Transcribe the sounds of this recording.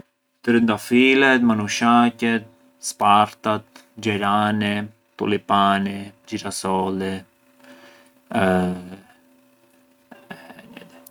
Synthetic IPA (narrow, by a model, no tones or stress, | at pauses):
t̪əɾind̪afilɛt̪manuʃacɛt̪̚ | spaɾt̪at̪̚d͡ʒɛɾani | t̪ṵlipanid͡ʒiɾasɔlɛ | ɛ̰